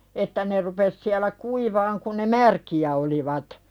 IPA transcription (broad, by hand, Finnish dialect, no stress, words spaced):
etːæ ne rupes siælæ kuiʋɑːŋ kun̆ ne mærkiæ oliʋɑt